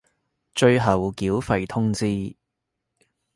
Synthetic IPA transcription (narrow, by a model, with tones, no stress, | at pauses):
t͡ʃɵ˧ɥɦɐ˨˩wkiː˨˥wfɐ˨jt̪ʰʊ˥ŋt͡siː˥